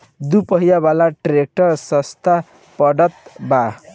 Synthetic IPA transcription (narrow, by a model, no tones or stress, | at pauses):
d̪upʌɦijabalaʈrek̚ʈʌrsʌst̪a | pʌɽʌt̪ba